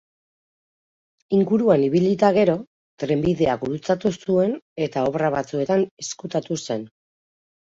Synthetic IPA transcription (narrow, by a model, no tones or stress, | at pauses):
iŋɡuɾuaniβilit̪aɣ̞e̞ɾo̞ | t̪ɾe̞mbiðe̞aɡuɾut͡sat̪usue̞ne̞t̪ao̞βraβat͡sue̞t̪ane̞skut̪at̪use̞n